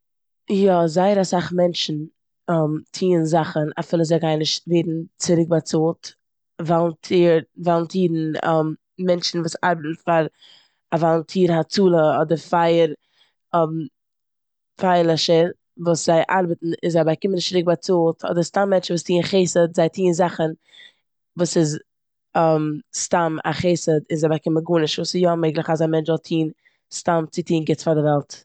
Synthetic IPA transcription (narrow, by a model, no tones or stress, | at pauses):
jɔzaɪəɾasaχmɛnt͡ʃn̩ | ɔmtʰiːənzaχənafɪlˠəzaɪɡaɪnɪʃtveɪdn̩t͡sɪɾɪk̚bat͡suːlˠt | valˠntʰiːɾvalˠntiːɾn̩ɔmː | ɛnt͡ʃn̩vuːsa̰ɾbətn̩faɾ | avalˠntʰiːɾhat͡suːlˠəɔdəɾfaɪəɾ | ɔm | faɪlˠɛʃəɾ | vuːsz̥aɪʔaɾbətn̩ɪnzaɪbakɪmənɪʃtɾɪk̚bat͡suːlˠtʰɔ̰dəɾstamːɛnt͡ʃn̩vuːstiːnχeɪsədzaɪtʰiːnzaχən | vuːsɪz | amstama̰χeɪsədɪnzaɪbakɪməɡuːnɪʃvuːsɪsjɔmeɪɡlˠəχazamɛnt͡ʃvɔlˠtʰiːn | stamt͡sɪtiːnɡɪt͡sfaɾdɪvɛlˠt